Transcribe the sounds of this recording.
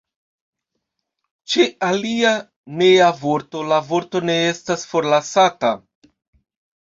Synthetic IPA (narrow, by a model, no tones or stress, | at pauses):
t͡ʃeʔalia | ne̞javo̞ɾto̞lavo̞ɾto̞ne̞e̞stasfo̞ɾlasata